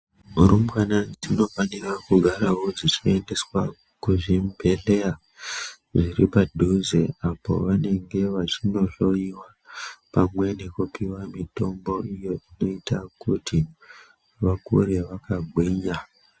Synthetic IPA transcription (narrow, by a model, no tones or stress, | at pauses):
uɾumbwanatino̞fanirakuɡʱaɾaɦo̞d͡zit͡ʃe̞nde̞swa | kuʐimbʱelea | ʐiripadʱuzeapo̞̰ʋane̞ŋɡe̞ʋat͡ʃino̞ɬo̞iwa | pamwe̞ne̞kupiwamito̞mbo̞ijo̞ino̞itakutʰi | ʋakṵɾe̞ʋakaɡʱwiːɲa